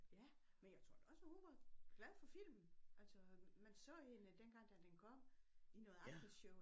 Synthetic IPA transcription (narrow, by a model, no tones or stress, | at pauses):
jæ | menjɑ̈ɪt͡sʰʁo̝ɐ̰̥e̝ɒ̽smnhoʋɑ̈ɡ̥læðˠfɒ̽fil̰mn̩ʔælsɒmænsɔ̰̽ːhe̝nəd̥enɡ̥ɑ̈ŋ̰d̥æd̥enkʰɒ̽m̰inɔ̽ːð̩ˠɑ̈ɡ̥əsɕɔʊ